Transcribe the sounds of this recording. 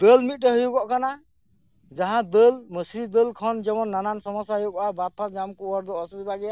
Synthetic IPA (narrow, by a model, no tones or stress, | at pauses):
d̪əlmit̪̚ɾɛɦujuɡɔʔkana | d͡ʒaɦãd̪əlməsɾid̪əlkʰɔnd͡ʒɛmɔnːanansɔmɔsjaɦjukɔʔabat̪ʰːad͡ʒamkuɔɾd̪ɔʔɔsbɛbaɡɛja